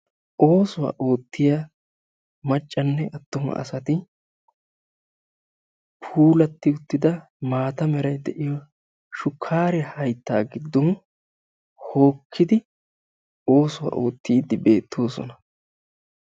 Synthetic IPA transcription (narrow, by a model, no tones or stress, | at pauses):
ʔo̞ːsʊwɐ̰ːʔo̞ːt̪ːɪja | mɐt͡ʃʼːɐnːɛʔɐt̪ːɔmɐ̰ɐ̰sɐt̪ɪ | pʰuːlɐt̪ːɪʊt̪ːɪd̪ɐ | maːt̪ɐmɛɾɐjd̪ɛʔɪjɔ | ʃʊkʰːaːɾɛhɐjt̪ːaːɡɪd̪ːɔn | ho̞ːkʰːɪd̪ɪ | o̞ːsʊwɐ̰ʔo̞ːt̪ːiːd̪ːɪbe̞ːt̪ʰːo̞ːsɔ̰nɐ